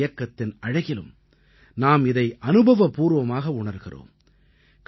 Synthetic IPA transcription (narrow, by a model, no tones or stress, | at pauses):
jɐkːɐt̪ːɪnɐɻɐɣɪlɯ̰m | naːmɪðɐɪʔɐnɯbɐʋɐpuːɾʋɐmaːɣɐʊɳɐɾɣɪro̰ːm | k